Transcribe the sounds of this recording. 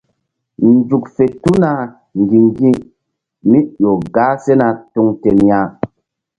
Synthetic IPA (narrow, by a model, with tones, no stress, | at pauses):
n˦d͡zu˨kfe˨tu˦na˨ | ŋ˨ɡi˨ŋɡĩ˦ | mi˦jo˨ɡaː˦se˦na˨tu˧ŋte˨nja˦